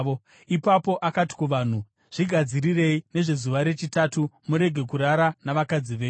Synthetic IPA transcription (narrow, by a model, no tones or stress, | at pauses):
o | ipapo̞ʔakati̥kuʋaːn̤u | ʐ̥iɡʱad͡zirire̞ine̞ʐe̞zuʋaɾe̞t͡ʃitatumuɾe̞ɡʱe̞kuɾaɾanaʋakad͡ziʋe